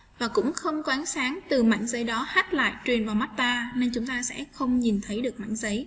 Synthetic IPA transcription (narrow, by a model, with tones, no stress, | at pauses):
vaː˨˩kʊ̰˧˥ŋ͡mxə˧wŋ͡mkwaː˨˦nsaː˨˦ŋt̪ɨ˨˩ma̰˧˨jŋzə˨˦jɗɔ˨˦ha˦˥t̚la̰ː˧˨jt͡ɕwi˨˩ənvaː˨˩wma˦˥t̚t̪aː˧ne˧ŋt͡ɕʊ˨˦ŋ͡mt̪aː˧sɛ̰˧˥xə˧wŋ͡mɲi˨˩nt̪ʰə˨˦jɗɨ˨˩k̚ma̰˧˥˨ŋzə˨˦j